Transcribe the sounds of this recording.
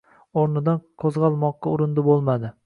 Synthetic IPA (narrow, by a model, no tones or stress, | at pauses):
oɾnɪd̪anqʰozʁɑlˠmɒqːɑʊɾɪnd̪ɪbolˠmad̪ɪ